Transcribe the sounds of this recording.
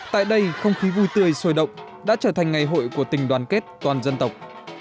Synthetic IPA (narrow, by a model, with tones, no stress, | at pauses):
t̪a̰ː˧˨jɗə˧jxə˧wŋ͡mxi˨˦vu˧˩jt̪ɨ˧əjsəː˧˩jɗə̰˧˨wŋ͡m | ɗa̰ː˧˥t͡ɕəː˧˩t̪ʰa˨˩jŋ̟ŋa˨˩jɦo̰˧˨jku˧˩ət̪ï˨˩ŋ̟ɗwaː˨˦nke˦˥t̚t̪waː˨˩nzə˧nt̪ə˨˩wk͡p̚